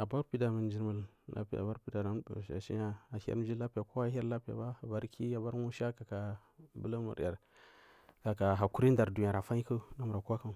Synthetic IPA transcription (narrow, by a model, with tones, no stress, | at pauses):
a˨ba˦ɾpi˦da˨mə˨n˦d͡ʒi˨ɾmə˨l | lʔa̰˦pi˦˨a̰˨ba˦ɾpi˦da˨na˦˨a̰˨ʃḭ˦ja˦a˨ha̰˦m˦d͡ʒi˦la˦pi˨ja˨ko˦a˦ja˦ɾla˦pi˦a̰˨ba˦a˨ba˦ɾkʰi˦a˨ba˦ɾwu˦ʃa˦ka˨ka˨ | bə̰˦lə˦mṵ˨ɾa˨ɾ | ka˨ka˨ɦa˨ku˦ɾi˦n˦da˨ɾdu˨ja˨ɾa˨fa˦ɲi˦kə˦na˦mu˨ɾa˨ka˦ka˦˨